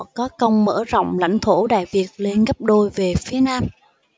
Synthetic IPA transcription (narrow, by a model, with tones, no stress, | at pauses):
kɔ˨˦kə˧wŋ͡mmə̰ː˧˥˩zə̰˧˨wŋ͡mla̰˧˥jŋ̟t̪ʰo˧˩ɗa̰ː˧˨jvi˨˩ət̚le˧nɣə˦˥p̚ɗo˧jve˨˩fi˨˦ənaː˧m